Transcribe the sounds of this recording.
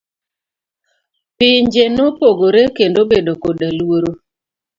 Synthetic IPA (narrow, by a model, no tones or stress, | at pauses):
pɪɲd͡ʒenopoɡoɾekendobedokodalwoɾo